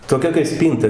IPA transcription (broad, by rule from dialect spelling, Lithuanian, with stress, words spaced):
toːˈkʲɛ kɐɪ ˈsʲpʲiːntɐ